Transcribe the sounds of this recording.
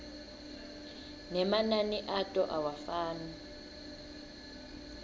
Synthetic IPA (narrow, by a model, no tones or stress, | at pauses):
nɛmananiʔatʼɔʔawafaːni